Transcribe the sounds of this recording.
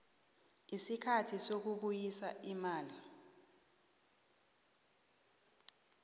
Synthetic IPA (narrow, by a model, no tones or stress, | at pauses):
isikʰatʰisok̬uɓujisa̰imaːli